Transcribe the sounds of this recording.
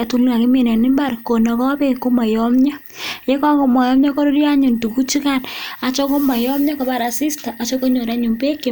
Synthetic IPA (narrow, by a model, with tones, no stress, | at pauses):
tu˦la˨kɪ˦me˨nɛ˨nɪ˦mba˦˨ɾko˨nɔ˨kɔ˦pe˦ko˦ma˨jɔ˦mɲa˦ | je˦kɔ˦ŋko˨mɔ˨jɔ˦mɲɔ˦ko˦ɾo˦ɾja˦ɲu˨ntu˨ku˦t͡ʃi˦ka˦˨na˨t͡ʃɔ˦ko˦ma˨jɔ˦mɲa˦kɔ˨ba˨ɾa˨si˦sta˨ʔa˨t͡ʃɔ˦ko˦ɲo˨ɾa˨˦ɲu˨mbe˦ke˨